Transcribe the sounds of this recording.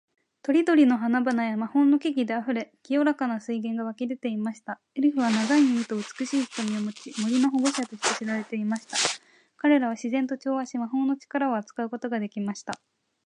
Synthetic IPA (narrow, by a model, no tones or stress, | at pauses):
t̪o̞ɾʲid̪o̞ɾʲino̞ɦanabanajamahõ̞nːo̞kʲeɡʲid̪e̞aɸɯ̟ɾe̞kʲijo̞ɾakanasɨiɡẽ̞ŋɡaβakʲid̪e̞t̪e̞imaɕi̥t̪a | eɾɯ̟ɸɯ̟β̞anaɡaiɲiit̪o̞ɯ̟t͡sɨ̥kɯɕiːçi̥t̪o̞mʲiomɯt͡ɕimo̞ɾʲinaɦoɡo̞ɕat̪o̞ɕi̥t̪e̞ɕiɾaɾe̞t̪e̞imaɕi̥t̪a | kaɾe̞ɾaβ̞aɕizẽ̞nt̪o̞t͡ɕo̞ːaɕimaɦo̞no̞t͡ɕi̥kaɾao̞at͡sɨ̥kaɯ̟ko̞t̪o̞ɡad̪e̞kʲimaɕi̥t̪a